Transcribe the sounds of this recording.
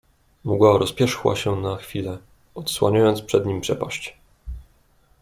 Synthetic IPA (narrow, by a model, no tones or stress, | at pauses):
mɔɡwaɾɔspʲjɛʂxwa̰ɕɛnaxfʲilɛ | ɔt̪swaɲajɔnt̪spʂɛd̪ɲimpʂɛpaɕt͡ɕ